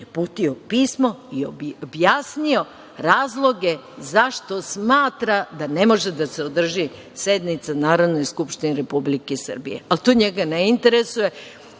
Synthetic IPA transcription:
jepuːt̪io̞piːsmo̞iobobjaːsnio̞ | ɾaːzlˠo̞ɡe̞ | zaʃt̪o̞smaːt̪ɾad̪ane̞mo̞ʒed̪aseod̪r̩ʒi | se̞d̪nit̪sanaːɾod̪no̞jskupʃt̪ineɾepublikesr̩bḭjḛalt̪oːɲeɡaneint̪e̞ɾesuje̞

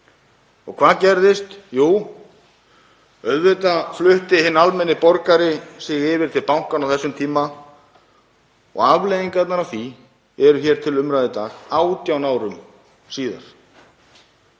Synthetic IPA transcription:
ɔɣkʰvaːðcɛɾðɪst̪juːw | œɥðvɪt̪aflʏht̪ɪhɪnːalmɛnːɪpɔɾkaɾɪsɪɣɪːvɪɾ̥t̪ʰɪlpawŋ̥kanawθɛsːʏmt̪ʰiːma | ɔ̰ɣavlejðiŋkat̪naɾaθi | ɛɾʏçɛɾ̥t̪ʰɪlʏmɾajðɪt̪aːɣaːwt̪jawnaːwɾʏm | siːða̰ɾ̥

